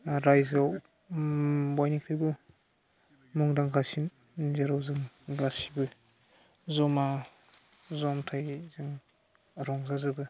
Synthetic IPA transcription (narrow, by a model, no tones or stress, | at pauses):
ɾajzaw | wajnikʰɾibɯ | mɔŋdaŋɡasin | zaɾawzɯŋ | ɡasi̥bɯ | zɔma | zɔmtʰajzɯŋ | ɾɔŋzazɯbɯ